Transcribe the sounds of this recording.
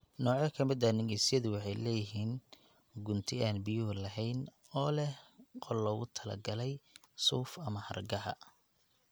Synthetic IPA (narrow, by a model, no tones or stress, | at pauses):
nɔːʕjɐkʰɐmɪd̪ɐnɪɣɛjsɪjɐðʊwɑħɑjlɛːjɪɦiːn | ɡʊnt̪ʰɪaːnbɪjʊɦlɐɦɛjn | ɔːlɛhqʰɔlːɔːɣʊt̪ʰɐlɐ̰ɡɐlɛj | suːfɐmɐhɐ̰rɡɐɦɐ̰